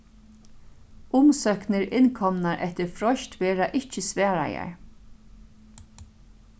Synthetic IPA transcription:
ʊmsœknɪɾɪnkʰɔmnaɹʔɛ̰ht̪ɪɹfɾɔʃt̪ʋɛːɾaʔɪhcəsʋɛːɾa̰ja̰ɹ

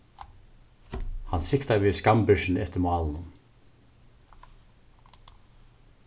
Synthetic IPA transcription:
hansɪkt̪aviːðskampʏʃɪnɪɛt̪ɪɾmɑːlənʊm

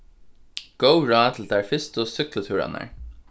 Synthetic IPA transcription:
ɡ̥əʊɹɑːt̪ʰɪl̩d̪æɹfɪst̪əsʏklət̪ʰʉːɹa̰na̰ɹ

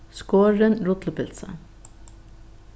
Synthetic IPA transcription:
skoːɹənɾʊt̪lpɪlsə̰

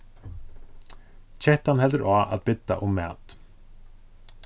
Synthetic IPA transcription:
t͡ɕʰɛht̪anɦɛlt̪ɪɾʔaʔa̰ðbɪt̪ːa̰ʔʊmːɛ̰ːt̪

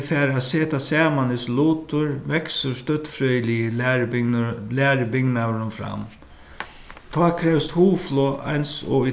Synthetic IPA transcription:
fɛːɾaseːt̪asɛːmanɪsluːt̪ʊɹʋɛksʊst̪œt̪fɾœjlijə | læːɾɪbɪɡnaɾʊnfɾa̰m | t̪ʰɔːkʰɾɛvst̪huːflɔa̰jnsɔ̰i

